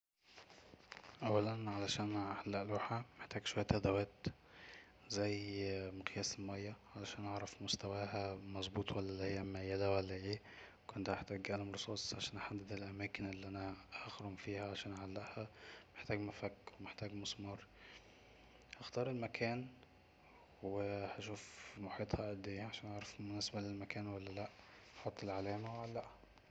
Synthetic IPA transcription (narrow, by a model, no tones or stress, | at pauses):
ʔæwːælænʕalæʃæːnʕalːæʔluːħæmeħt̪æːɡʃowæjːæt̪ʔæd̪æwæːt̪ | zæjmqjæːsemæjːæʕalæʃæːnʔɑʕɾˤɑfmost̪æwæːhæmɑzˤbuːt̪ˤwælːælːihejːæmæjːæd̪æwælːæʔeː | kont̪ʔaħt̪æːɡʔælæmɾosˤɑːsˤʕaʃæːnʔaħad̪ːed̪elʔæmæːkɪnʔelːiʔænæʔɑxɾomfiːhæʕaæʃæːnʔaʕalːæʔhæmeħt̪æːɡmæfækːwemeħt̪æːɡmɑsˤmɑɾˤ | hɑxt̪ɑːɾˤelmækʰæːn | wehæʃuːfmoħiːt̪ˤhɑʔæd̪ːejːæʕaʃæːnʔɑʕɾˤɑfmonæːsæbælelmækæːnwælːælæʔ | ħot̪ˤːelʕalæːmæweʕalːæʔhæ̥